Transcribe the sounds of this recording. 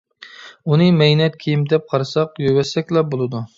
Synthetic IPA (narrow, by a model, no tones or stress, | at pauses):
unɨmɛjnɛt̪̚kʲʰijimd̪ɛp̚qʰɑɾɨsɑqjøwɛsɛkʲlɛbolˠɨd̪u